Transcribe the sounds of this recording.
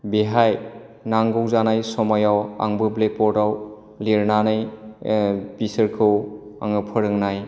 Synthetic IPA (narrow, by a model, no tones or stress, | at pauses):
beɦaj | naŋɡɯwzanajsɔmajawa̰ŋbɯblepɔdaw | liɾnanɯj | pisɯɾkʰɯwa̰ŋɯpʰɯɾɯŋnaj